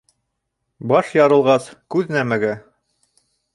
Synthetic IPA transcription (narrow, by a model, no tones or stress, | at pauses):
bɑʃjɑɾɤ̆lˠʁɑskʉðnæmæɡæ